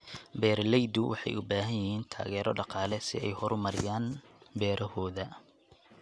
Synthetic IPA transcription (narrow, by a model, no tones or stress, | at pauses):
bɛːrlɛjd̪ʊwʔɑ̰ħɑ̰jʊbaːɦɐjɪhiːnt̪ʰa̰ːɣɛːɾɔɖɑqɑːlɛsɪ̰ɛjhɔɾʊmɐɾɪjaːnbɛːɾʔɐhɔːðɐ